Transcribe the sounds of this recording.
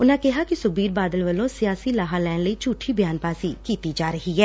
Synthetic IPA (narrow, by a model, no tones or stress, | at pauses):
ʊnãːkɪɦaːkisʊbiːɾbaːd̪əlʋəlõːsɪjaːsiːlaːɦalɛːnləiːt͡ʃuːʈʰiːbjaːnpaːsikiːt̪iːd͡ʒaːɾəɦiɦɛː